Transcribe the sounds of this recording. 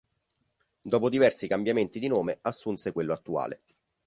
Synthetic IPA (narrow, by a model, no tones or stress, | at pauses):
d̪ɔːpod̪ivɛrsikambjament̪id̪inoːmeasːunsekwelːoat̪ːua̰ːlḛ